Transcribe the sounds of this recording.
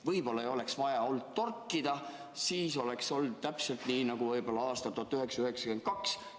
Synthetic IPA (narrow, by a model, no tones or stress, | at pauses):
vɤjb̥o̞lːɑejo̞le̞ksvɑjɑo̞ld̪̥t̪orkːˑid̪̥ɑ | siːso̞lekso̞ld̪̥̚t̪æpse̞lt̪niːnɑɡ̥uvɤjbo̞lːɑɑːst̪ɑt̪uɑt̪ːyɦe̞ksɑyɦe̞ksɑ̥ken̥kɑks